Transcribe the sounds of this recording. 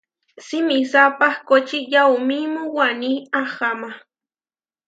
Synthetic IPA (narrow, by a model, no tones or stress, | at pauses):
simisapahkot͡ʃijawmimuwaniaxama